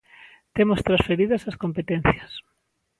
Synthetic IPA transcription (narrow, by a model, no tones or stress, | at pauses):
t̪emost̪ɾasfeɾiðɐsɐskompet̪en̟θjɐs